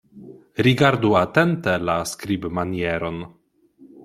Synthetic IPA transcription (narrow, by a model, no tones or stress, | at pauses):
ɾiɡaɾduatent̪elaskɾibmanijeɾo̞n